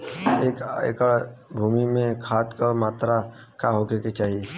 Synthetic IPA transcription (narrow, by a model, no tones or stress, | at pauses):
eːka̰jkəɭbʱuːmimẽkʰaːt̪kəmaːt̪ɾa | kaɦoːkeket͡ʃaːɦie